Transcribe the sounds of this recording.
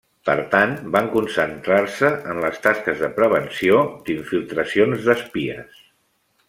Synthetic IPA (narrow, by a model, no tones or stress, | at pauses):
pə̰ɾt̪anbaŋkunsənt̪ɾarsəənləst̪askəzðəpɾəβ̞ənsiod̪iɱfilˠt̪ɾəsionzðəspiə̰s